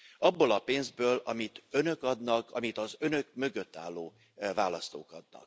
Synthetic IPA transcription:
ɒbːolɒpeːnzbøːlɒmit̪ø̞nø̞kɒd̪nɒkʰɒmit̪ɒzø̞nø̞k̚mø̞ɡø̞t̪ːa̰ːlːoː | vaːlɒst̪o̰ːkɒd̪̚nɒ̰k̚

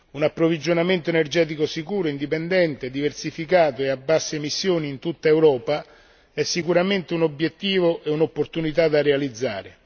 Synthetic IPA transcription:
unapːɾovid͡ʒonament̪oenerd͡ʒɛːt̪̬ikosikuːɾoind̪ipend̪ɛnt̪ed̪iversifikaːt̪oeabːasːemisːjoːniːnt̪ut̪ːaewɾɔːpa | ɛsːikuɾament̪eunobjet̪ːiːvoʔeunopːort̪unit̪ad̪arealid̪zːa̰ːɾe

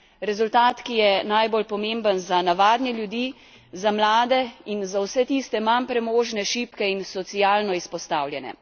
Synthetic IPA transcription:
ɾɛzult̪aːt̪kijɛnajbolpɔmembənzanaʋaːd̪nʲjɛljud̪iː | zamlaːd̪ɛinzawsɛt̪iːst̪ɛmanpɾɛmoːʒnɛʃiːpkɛinsɔt̪sijaːlnɔispɔst̪aːwlʲjɛnɛ̰

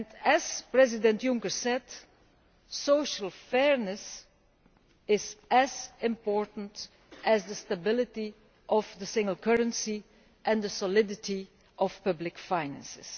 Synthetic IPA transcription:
ɛ̃nɛz̥pɹɛzɪdɛ̃ntjʊ̃ŋkəɹsɛd | soʊʃəl̩ˠfɛɹnəs | ɪzəzɪ̃mpɔɹtn̩t | ʔɨzðəstabɪlˠɪti | ʔɔvðəsɪ̃ŋɡəl̩ˠkɜɹə̃nsi | ʔɛ̃ndəsɔlɪdɪti | ʔɔfpʌblɪkfaɪnæ̰̃nsɪs

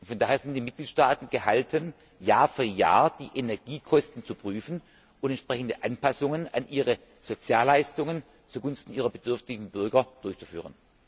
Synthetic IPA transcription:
ʊfɔndaːheːɐz̥ɪntd̥iːmɪt̚ɡ̥liːtʃtaːtn̩ɡ̥əhaltʰən | jaːɐfyɐja̰ːɐd̥iːʔenɛɐɡiːkʰɔstn̩t͡supʁ̥yːfn̩ | ʊntɛntʃpʁ̥ɛçn̩dəʔanpʰasʊŋəna̰nʔiːʁə | z̥ot͡sjaːlaɪstʊŋən | t͡suːɐɡʊnstn̩ʔiːʁɐbədʏɐftɪɡŋ̩bʏɐɡɐd̥ʊɐçt͡su̥fy̰ːʁ̞ən

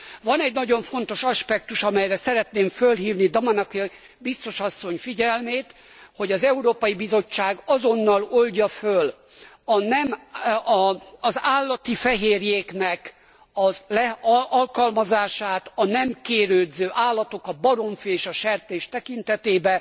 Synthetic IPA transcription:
vɒnɛɟnɒɟo̞ɱfo̞n̪t̪o̞ʃɒʃpɛk̚t̪uʃɒmɛjrɛsɛɾɛt̪neːɱfølɦiːvnid̪omɒnɒke | bist̪o̞ʃɒsːo̞ɲfiɟɛlmeːt̪ | ho̞ɟɒzɛuɾoːpɒjibizo̞t͡ʃːaːɡɒzo̞nːɒlo̞lɟɒføl | ɒnɛm | zaːlːɒt̪ifɛɦeːrjeːknɛk | ɒlɛʔɒlkɒlmɒzaːʃaːt̪ɒnɛmkeːɾøːd̪zøːʔaːlːɒt̪o̞kɒbɒɾo̞ɱfieːʃɒʃɛrt̪eːʃt̪ɛkint̪ɛt̪eːbɛ

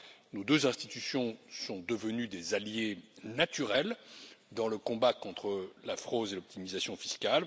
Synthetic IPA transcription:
nod̪øzɛ̃st̪it̪ysjɔ̃sɔ̃d̪əvənyd̪ezaljenat̪yʁɛld̪ɑ̃ləkɔ̃bakɔ̃t̪χəlafχod̪elɔp̚t̪ʰimizasjɔ̃fi̥skʲal

